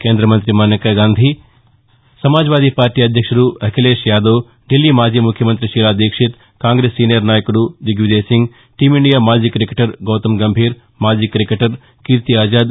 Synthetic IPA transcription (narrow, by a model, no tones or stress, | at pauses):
keːnd̪ɾɐmɐnt̪ɾimɐnɐkɐɡaːnd̪ʱi | sɐmaːd͡ʒʋaːd̪ipaːɾʈiɐd̪ʱjɐkʂɐɾuːɐkʰileːʃjaːd̪oː | ɖilːiːmaːd͡ʒiːjmukʰjɐmɐnt̪ɾiʃiːlaːd̪eːkʂit̪ | kaːŋɡɾeːsːiːnjɐɾnaːjɐkuɽuʋ̪iɡʋid̪eːsiŋɡ | ʈiːmiɳɖijaːmaːd͡ʒiːkɐɾikeʈɐɾɡoːt̪ɐmɡɐmbʱiːɾ | maːd͡ʒiːkɐɾikeʈɐɾ | kiɾt̪iaːd͡ʒaːd̪